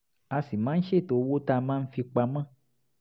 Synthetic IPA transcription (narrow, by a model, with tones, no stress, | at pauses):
a˧si˨mãː˨˦n̩˦ʃe˦˨to˧˦wo˦ta˧mãː˦n̩˦fi˧k͡pa˧mã˦˨